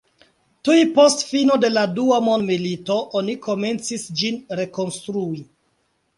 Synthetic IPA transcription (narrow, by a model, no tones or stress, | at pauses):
tujpo̞stfino̞de̞laduamondmilito̞ʔoniko̞me̞nt͡sisd͡ʒinɾe̞ko̞nstɾui